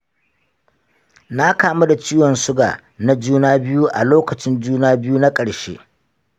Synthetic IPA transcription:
na˦kaː˦ma˦da˨t͡ʃiː˦wɔ˨nsʊ˦ɡa̰ː˨ | na˦d͡ʒuː˦naː˦bɪ˦ju˦ʔa˨loː˦kɐ˨t͡ʃɪ˦nd͡ʒuː˦naː˦bɪ˦ju˦na˦kʼɐ˨ɽʃḛː˦

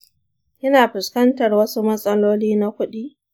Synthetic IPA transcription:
ʔɐ˦naː˨ɸɪ˨skɐ˦ntɐ˨rwɐ˦su˦mɐ˦sʼɐ˦loː˦liː˦na˦kʷʊ˦ɗiː˦

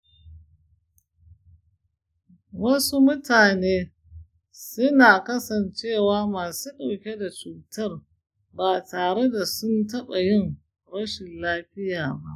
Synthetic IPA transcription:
wɐ˦su˦mʊ˦taː˨neː˦ | sʊ˦naː˨kɐ˦sɐ˨nt͡ʃeː˦˨waː˦maː˨suː˦ɗa˨wkʲe˦da˨t͡ʃuː˨tɐ˦˨r | baː˨taː˨ɽe˦da˨sʊ˦ntɐ˦ɓa˨jɪ˦ŋ | ɽɐ˦ʃɪ˨nlaː˦ɸɪ˦jaː˨ba˦ʔ

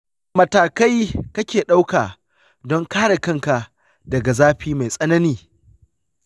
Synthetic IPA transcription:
mɐ˨taː˨ka˦jkɐ˦kʲeː˨ɗa˦wkaː˨ | dɔ˦ŋkaː˦ɽa˨kɐ˦˨ŋka˨ | dɐ˨ɡa˨zaː˦ɸiː˦ma˨jsʼɐ˦nɐ˦niː˦

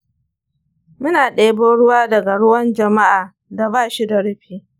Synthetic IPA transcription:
mʊ˦naː˨ɗeː˦boː˦ɽʊ˦waː˦dɐ˨ɡa˨ɽʊ˦wɐ˦nd͡ʒɐ˨ma˦ʔaː˨ | da˨baː˦˨ʃi˦da˨ɽɪ˦ɸiː˦

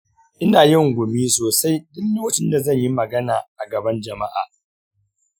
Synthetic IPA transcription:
ʔɪ˦naː˨jɪ˦ŋɡʷʊ˨miː˦soː˨sa˦jdɪ˦lːoː˦wɐ˦t͡ʃɪ˦nda˨zɐ˦˨ɲji˦mɐ˨ɡɐ˦naː˨ʔa˨ɡɐ˨bɐ˦nd͡ʒɐ˨ma˦ʔa̰ː˨

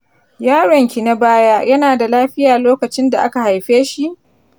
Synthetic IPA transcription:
jaː˦ɽɔ˨ŋkʲi˨na˦baː˦ja˦jɐ˦naː˨da˨laː˦ɸɪ˦jaː˨loː˦kɐ˨t͡ʃɪ˦nda˨ʔa˦ka˨ha˨jɸeː˦ʃi˦ʔ

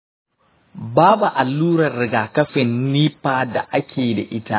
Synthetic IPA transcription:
baː˦bu˨ʔa˨lːuː˦ɾɐ˨rːɪ˨ɡaː˨kɐ˦ɸɪ˨nːiː˦ɸaː˨da˨ʔa˦kʲʰeː˨da̰˨ʔɪ˦ta˦ʔ

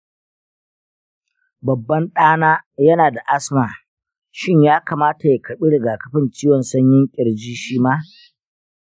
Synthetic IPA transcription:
bɐ˨bːɐ˦nɗaː˦naː˦jɐ˦naː˨da˨ʔa˦smaː˨ | ʃɪ˦ɲjaː˦kaː˨maː˦ta˨ja˨kʰɐ˨ɓi˦ɽɪ˨ɡaː˨kɐ̥˨ɸɪ˦nt͡ʃiː˦wɔ˨nsɐ˦ɲjɪ˦ŋkʲʼɪ˨ɽd͡ʒiː˦ʃiː˦maː˦

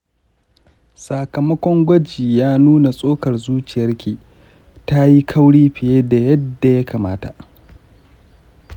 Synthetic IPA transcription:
sa˨kɐ˨mɐ˦kʷɔ˦ŋɡʷɐ˦d͡ʒiː˨jaː˦nuː˦na˨sʼoː˦kɐ˨rzuː˦t͡ʃɪ˨jɐ˦rkʲiː˨ | ta˦ji˦kʰɐ˦wɽiː˦ɸɪ˨jeː˦da˨jɐ˦dːa˨ja˦kaː˨maː˦ta˨ʔ

